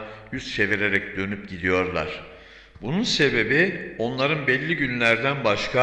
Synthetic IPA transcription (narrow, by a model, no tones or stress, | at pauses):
jyst͡ʃe̞viɾe̞ɾɛcd̪ø̞nyp̚ɟid̪ijo̞ɾlˠa̰ɾ̝̥ | bununse̞be̞bio̞nlˠaɾɯnbɛlʲːiɟynlʲæɾd̪ænbaʃkʰa